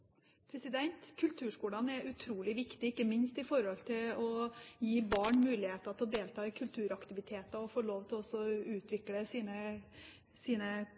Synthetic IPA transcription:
pʰɾɛsɪd̪ɛnt̪kʰʉlt̪ʰʉːʂkuːlɑnɛʔʉt̪ʰɾuːlɪʋɪkt̪ɪɪkːəmɪnst̪ɪfɔɾhɔlt̪ʰɪlɔjiːbɑːɳmʉːlɪheːt̪ɑt̪ʰɛlɔd̪eːlt̪ʰɑːɪkʰʉlt̪ʰʉːɾɑkt̪ɪʋɪt̪ʰeːt̪ɑɔfoːɭoːʋt̪ʰɪlɔsɔʉːt̪ʰʋɪkləsiːnə | siːnə

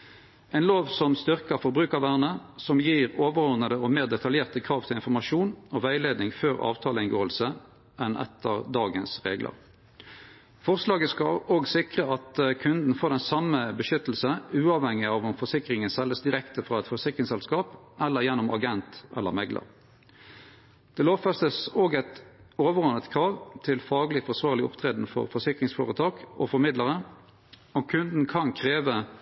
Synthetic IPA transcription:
ʔɛɪnloːʋsɔmst̪ʏʁkɑfɔɾbʁʉːkɑʋæːʁnəsɔmjiːʁoːʋəʁɔʁnəd̪əɔmeːʁd̪ɛt̪ʰɑljeːʁt̪əkʰɾɑːʋt̪ʰɪlɪnfɔʁmɑʂuːnɔʋæɪleːd̪nɪŋføːʁɑ̰ːʋt̪ʰɑːləɪnɡoːəlsə | ʔɛnʔɛ̰t̪ʰːəʁd̪ɑːɡənsʁeːɡlʔə̰ʁ | fɔʁslɑːɡəskɑoːɡsɪkʁəɑt̪kʰʉnd̪n̩foːɾd̪ɛnsɑməbəʃʏt̪l̩səʉːɑʋhɛŋːɪɑʋɔmfɔsɪkʁɪŋənsɛləsd̪ɪʁɛkt̪əfʁɑɛt̪fɔʁsɪkʁɪŋsɛlskɑːp | ʔɛlːəʁjɛnːɔmɑɡɛnt̪ʔɛ̰lːə̰mɛɡlə̰ʁ | d̪̥ɛloːʋfɑst̪əsoːɡæɪt̪oːʋəʁɔnət̪kʰɾɑːʋt̪ʰɪlfɑːɡlɪfɔʁsʋɑːʁlɪɔ̰pt̪ʰʁeːd̪n̩fɔ̰ʁfɔsɪkʁɪŋsfo̰ːʁət̪ʰɑːɡɔ̰fɔmɪd̪ləʁə | ɔkʰʉnd̪n̩kʰɑnkʰʁeːʋə

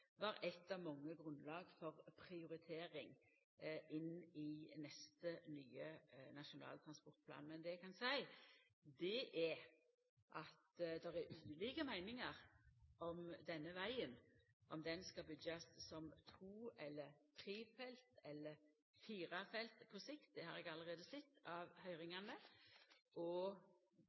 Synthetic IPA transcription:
ʋɑɾɛt̪ːɑʋmɑŋːəɡɾʉnlɑːɡfɔʁpʰɾɪʊɾɪt̪ʰeːɾɪŋ | ɪnːɪnɛst̪ənyːənɑʃʊnɑ̰ːlt̪ʰɾɑnspɔɾt̪̚pʰlɑ̰ːnmɛnd̪ɛkʰɑnsæɪ | d̪ɛʔɛ | ʔɑt̪d̪ɛɾæʉːəliːkəmæɪnɪŋəɾɔmd̪ɛnːəʋæɪən | ʔɔmd̪ɛnskɑbʏɡɑssɔmt̪ʰʁuːɛlːəɾt̪ʰɾiːfɛlt̪ɛlːəɾ | fiːɾɑfɛlt̪pʰɔsɪkt̪̚d̪ɛhɑɾɛɡɑlːəɾʁeːd̪əsɛt̪ːɑʋhœʏɾɪŋɑnə | ʔɔ

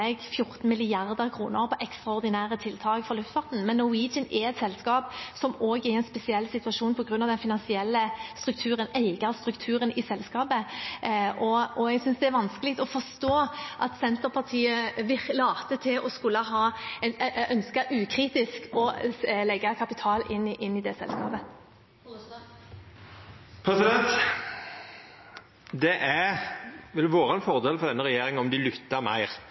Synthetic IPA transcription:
ɛɡfjʊɾt̪n̩mɪlɪjɑʁd̪əɾkʰɾṵːnəɾpʰɔʔɛkst̪ʁɑɔʁd̪ɪnæːɾət̪ʰɪlt̪ʰɑːɡfɔʁlʉft̪fɑt̪n̩mɛnːɔʊwiːd͡ʒənɛɛt̪sɛlskɑːpsɔmoːɡæɾɛɪnspɛsɪɛlːsɪt̪ʉɑʂuːnpʰɔɡɾʉnːɑʋd̪ɛnfɪnɑnsɪɛlːəst̪ɾʉk̚t̪ʰʉːɾəneɪɡəɾst̪ɾʉkt̪ʰʉːɾənɪsɛlskɑːpə | ʔɔɔɛɡsʏnsd̪ɛæɾʋɑnskəlɪɡt̪ɔfɔʁst̪oːʔɑt̪sɛnt̪əɾpʰɑʁt̪ʰiːəʋɪlɑːt̪ət̪ʰɪlʔɔskʉlːəɦɑː | œnskəʔʉːkʰɾiːt̪ɪskʰɔlɛɡːəkʰɑpɪt̪ʰɑːlɪnːʔɪnːɪd̪ɛsɛ̰lskɑ̰ːpə | pʰɾɛsɪd̪ɛnt̪ | d̪ɛʔæ | ʋɪlʋoːɾəɛnfɔɾd̪eːlfɔʁd̪ɛnːəɾɛjeːɾɪŋɔmd̪ɪlʏt̪ːəɾmæ̰ɪʁ

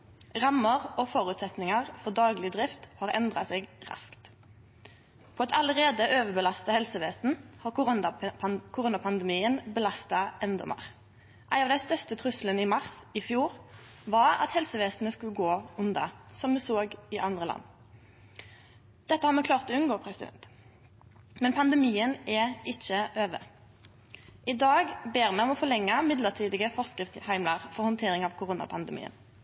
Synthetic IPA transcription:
ʁɑmːəʁɔfɔʁʉːt̪sɛt̪nɪŋɑʁfɔʁd̪ɑːɡlɪd̪ʁɪft̪hɑːʁɛ̰nd̪ʁɑ̰sɛːɡʁɑ̰skt̪ | pʰɔɑt̪ɑləʁeːd̪əʔøːʋəbəlɑst̪ɑhɛlsəʋeːsn̩hɑː | kʰʊʁuːnɑpʰɑnd̪ɛmiːənbəlɑst̪ɑʔɛnd̪ɔ̰mɑ̰ʁ | ʔæɪnɑʋd̪æɪst̪œst̪ət̪ʰʁʉslənɪmɑʁsɪfjuːʁ | ʋɑʁɑ̰t̪hɛlsəʋeːsnəskʉlɡoːʉnd̪ɑ̰sɔmd̪ʉsoːɡɪʔɑnd̪ʁəlɑ̰nː | d̪̥ɛt̪ːəhɑːʁmɛkʰlɑːʁt̪ɔʉnɡoːpʰʁɛsɪd̪ɛ̰nt̪ | mɛnpʰɑnd̪əmiːənɛɪc͡çːəʔøːʋə̰ | ʔɪd̪ɑːɡbeːʁmɛːɔmɔfɔlɛŋːɑmɪd̪ləʁt̪ʰiːd̪ɪɡəfɔʁskɪhæɪmlɑʁfɔʁhɔnt̪ʰeːʁɪŋɑʋkʰʊʁuːnɑ̰pʰɑnd̪əmḭːə̰n

